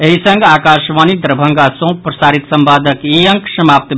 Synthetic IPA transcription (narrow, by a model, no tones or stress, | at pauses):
eɦisə̃ŋɡaːkaʃʋaːnid̪ɾəbʱəŋɡasõpɾɐsaːɾit̪səmbaːd̪ʱəkiə̃ŋksəmap̚t̪